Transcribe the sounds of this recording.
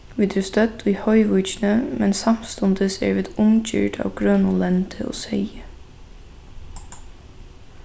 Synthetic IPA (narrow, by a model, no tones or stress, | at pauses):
ʋɪːd̪ʰʉːst̪œt̪iːhɔʏʋʉʏçnəmɛnsɑmst̪ɔnd̪əsḛːɹʋɪd̪ʊmc͡çø̰ːʈʰɑ̰ːʋɡɹœnʊlɛnt̪ʰəo̰ːsœɪə